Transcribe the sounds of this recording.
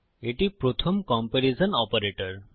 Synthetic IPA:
eʈipɾot̪ʰomkɔmpeɾisɔnɔpɐɾeʈɔɾ

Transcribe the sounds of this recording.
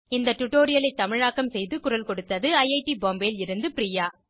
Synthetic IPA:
ɪnd̪ɐʈʊʈoːɾɪjɐlɐɪt̪ːɐmɪɻaːkːɐmsɛjðɯkʊɾɐlkɔɽɯt̪ːɐðɯɐɪɐɪʈiboːmbeːlɪɾɯnd̪ɯpɾiːjaː

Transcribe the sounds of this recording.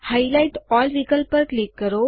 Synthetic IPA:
hailaiʈɔlʋikəlpəɾklikːəɾo

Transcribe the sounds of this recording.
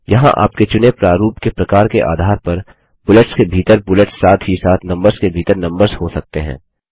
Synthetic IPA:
jɐɦã̰ʔa̰ːp̚ket͡ʃʊnepɾaːɾuːpkepɾɐkaːɾkeʔa̰ːd̪ʱaːɾpɐɾ | b̥ʊleʈskebʱiːt̪əɾbʊləʈsːaːt̪ɦisaːt̪ʰnɐ̃mbəɾskebʱiːt̪əɾnɐ̃mbəɾzhosɐk̚t̪eɦɛ̰̃ː

